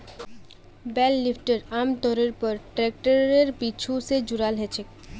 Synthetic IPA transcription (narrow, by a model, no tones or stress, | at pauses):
bɛlːipʰʈəɾaːmt̪ɔɾəɾpəɾʈɾek̚ʈəɾeɾpit͡ʃʰused͡ʒʊɾalɦɛt͡ʃʰek